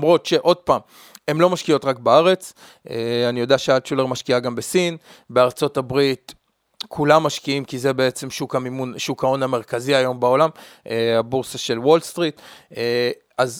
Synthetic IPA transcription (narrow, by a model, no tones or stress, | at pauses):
mʁo̞t̪ʃe̞ʔo̞d̪̚paːm | e̞mlo̞maʃkijo̞tʁakbaaʁe̞t͡s | eanijo̞deaʃealt͡ʃuleʁmaʃkiaɡambe̞sin | beaʁt͡so̞tabʁit | kʰulamːaʃkiimkizebe̞et͡se̞mʃukamimunʃukao̞name̞ʁkaziajo̞mbao̞lamʔeabuʁsaʃe̞lwo̞lst̪ʁit | az